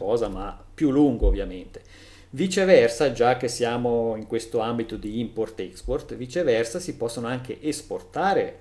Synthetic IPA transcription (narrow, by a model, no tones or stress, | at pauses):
ɔːzamapːjulːuŋɡoovjament̪e̥ | vit͡ʃevɛrsad͡ʒak̟ːesːjaːmoiŋkwest̪oambit̪od̪iimport̪ɛksport̪vit͡ʃevɛrsasipɔsːonoaŋkʰḛʔesport̪aːɾe